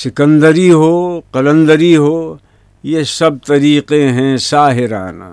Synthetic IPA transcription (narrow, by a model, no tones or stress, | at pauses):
sɪkə̃nd̪əɾiɦoːqɐlə̃nd̪əɾiɦoː | jesɐb̚t̪ɐɾiːqeɦɛ̃saːɦɪɾa̰ːna̰